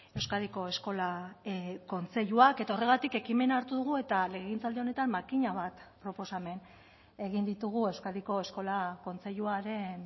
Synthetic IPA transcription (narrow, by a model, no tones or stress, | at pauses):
e̞wskaðiko̞e̞sko̞la | ko̞nt͡se̞ʎuake̞t̪aore̞ɣat̪ike̞kime̞naɾt̪uðuɣ̞ue̞t̪ale̞ɣint͡sald̪eo̞ne̞t̪ammakiɲaβat̪pɾo̞po̞same̞n | e̞ɣ̞ind̪it̪uɣ̞ue̞wskaðiko̞e̞sko̞lako̞nt͡se̞ʎuaɾe̞n